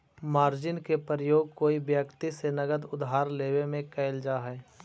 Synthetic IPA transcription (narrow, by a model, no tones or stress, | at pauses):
maːɾd͡ʒɪnkepɾəjoːɡ̚koːibjəkt̪isenɐɡəd̪ʊd̪ɦaːɾleːwemẽkɛːɪld͡ʒaːɦɛː